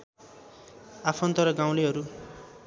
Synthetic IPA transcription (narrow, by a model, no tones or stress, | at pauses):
apʰʌnt̪ʌɾʌɡãw̃leɦʌɾu